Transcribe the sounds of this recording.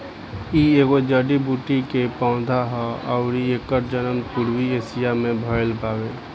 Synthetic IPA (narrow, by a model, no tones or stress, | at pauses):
ieːɡod͡ʒəɖibuːʈikepãʊ̃d̪ʱaɦɔɔʊɾieːkəɾd͡ʒənəmpuɾwieːsijamẽbʱəɾlpaːweː